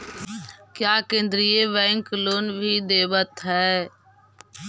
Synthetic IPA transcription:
kjaːkẽːnd̪ɾijeʋɛ̃ːŋkloːnbʱiːd̪eːbət̪ɦɛː

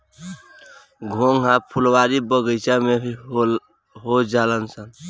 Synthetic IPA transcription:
ɡʱoŋɦãpʰulwaɾibəɡəɪt͡ʃame | ɦod͡ʒalənsən

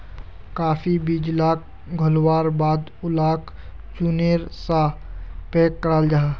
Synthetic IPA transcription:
kaːfʰibid͡ʒlaːk̚ | ɡʱʊlwaːɾbaːd̪ʊlaːk | t͡ʃuneɾsapeːkːəɾaːld͡ʒaː

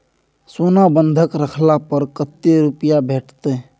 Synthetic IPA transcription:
soːnabə̃nd̪ʱəkɾəkʰlapəɾkət̪ːeɾʊpɪjabɛːʈʰt̪e

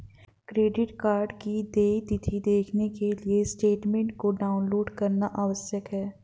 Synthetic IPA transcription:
kɾeːɖɪʈkaːɾɖkid̪eːt̪ɪt̪ʰid̪eːkʰnekeliesʈeːʈmẽɳʈ̚koɖaːʊnloːɖkɐɾnaʔaːʋəʃjəkɦɛː

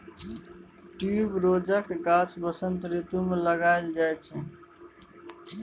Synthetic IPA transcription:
ʈiubɾod͡ʒakekat͡ʃʰbəsənt̪ɾit̪umeləɡaɪld͡ʒajt͡ʃʰɛ

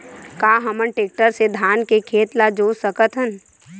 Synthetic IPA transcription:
kaːɦəmənʈeːk̚ʈəɾsed̪ʱaːnkekʰeːt̪lad͡ʒoːsəkət̪ɦən

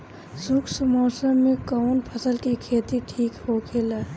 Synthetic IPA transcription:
sʊksmɔːsəmːẽkənpʰəsəlkikʰeːt̪iʈʰiːkhokʰeːlaː

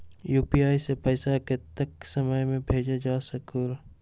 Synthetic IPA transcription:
juːpiaːisepɛːsaket̪ɐksɐməjmẽbʱeːd͡ʒed͡ʒaːsɐkuːɾ

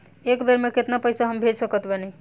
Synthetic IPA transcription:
ekbeɾmeket̪napəjsaɦəmbʱed͡ʒsəkət̪benej

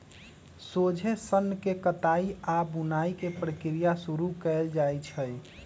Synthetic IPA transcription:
sod͡ʒʱesənːkekət̪aiabunaikepɾəkɾijasuɾukɛld͡ʒajt͡ʃʰəj

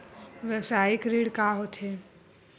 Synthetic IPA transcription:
ʋɛwsaːɪkɾiːɽkaɦot̪ɦe

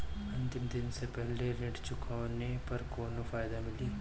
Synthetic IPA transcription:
ɐ̃nt̪ɪmd̪ɪnsepɛɦleɾɪ̃ʈt͡ʃʊkʰawnepɐɾkoːnofaːɪd̪amɪliː

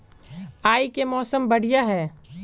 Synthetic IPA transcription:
aːikemɔːsəmbɐɽ̤ijaɦɛː

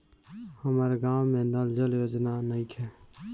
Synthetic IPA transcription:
həmaːɾeɡaːwmẽnald͡ʒəljoːd͡ʒnanəĩkʰɛ

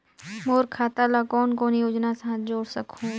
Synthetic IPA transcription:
moːɾkʰaːt̪alakɔːnkoːnijoːd͡ʒnasãɦad͡ʒoːɾsəkʰũː

